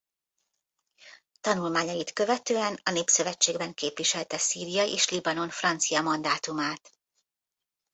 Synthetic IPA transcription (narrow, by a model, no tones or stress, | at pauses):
t̪ɒnulmaːɲɒjit̪kø̞vɛt̪øːɛnɒneːpsøvɛt͡ʃːeːɡbɛŋkeːpʋiʃɛlt̪ɛsiːɾijɒjʔeːʃlibɒno̞nfrɒnt̪sijɒmɒnd̪aːt̪umaːt̪